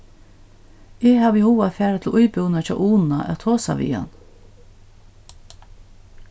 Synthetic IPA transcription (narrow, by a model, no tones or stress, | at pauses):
ɛːhaːʋɪhuːaðfæːɹat̪ʰɪlʔʊjpʏwnat͡ʃʰɔ̰ːʔuːnnaʔɛ̰t̪ʰoːsa̰ʋḭːa̰n